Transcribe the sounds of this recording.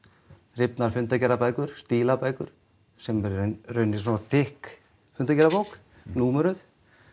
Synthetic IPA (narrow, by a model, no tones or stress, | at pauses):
rɪpnaɾfʏnt̪acɛɾapaːjkʏɾ̥st̪iːlapaːjkʏɾ̥ | sɛmɛɾrœɥnːɪsɔnaθɪhk | fʏnt̪acɛɾapowk | nuːmɛɾʏθ